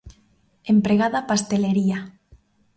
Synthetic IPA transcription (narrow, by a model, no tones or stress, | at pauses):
empɾeɣaðapast̪eleɾia